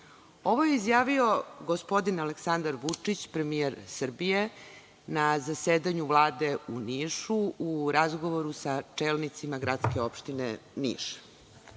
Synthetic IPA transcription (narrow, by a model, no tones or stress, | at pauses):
o̞ʋojeizjaːʋio̞ɡospo̞d̪inaleksand̪aɾʋut͡ʂit͡ɕpɾe̞mijeɾsr̩bije̞ | nazaseːd̪aɲuvlˠaːd̪euniʃuuɾazɡo̞ʋoɾusat͡ʂeːlnit̪simaɡɾat̪skʲeo̞pʃt̪inenḭʃ